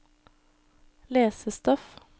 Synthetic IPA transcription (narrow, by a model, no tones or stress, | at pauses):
leːsəst̪ɔf